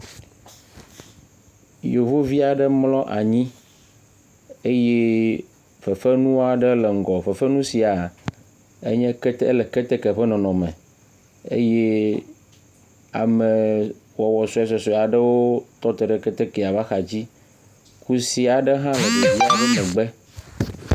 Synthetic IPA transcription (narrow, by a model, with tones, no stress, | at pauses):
jo˨vo˦vi˦a˨ɖə˦mlɔ̃˦ʔa̰˨ɲĩ˦ | e˦je˦ | fe˨fe˦nũ˦a˨ɖə˦lɛ˨ŋ̩˨ɡɔ˨ɸe˨fe˦nũ˦si˨a˨ | ḛ˦ɲɛ̃˦kɛ˦t̪le˨ke˦t̪e˦ke˨ɸe˦nɔ̃˨nɔ̃˨mɛ̃˨ | ḛ˦je˦ | a̰˨mɛ˨wɔ˨wɔ˨sɔ˨˦ɛ˦s̬ɔ˨sɔ˨a˨ɖə˦wo˦t̪ɔ˦t̪e˨ɖɛ˦kɛ˦t̪e˦ke˨a˨va˦xa˨d͡ʑi˦ | ku˦si˨a˨ɖə˦ɦã˦mẽ˨de˦vi˦a˨ɲĩ˦nɛ̃˨ɡ͡bɛ˦